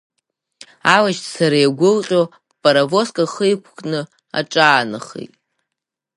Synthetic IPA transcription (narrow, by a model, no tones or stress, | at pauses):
awaʃtʰʼsaɾajɡʷʊlqʲʼo | pʼaɾavo̞skʼaχəjkʷʰkʼnɨ | a̰ʈ͡ʂʼaːnɨχḛjtʼ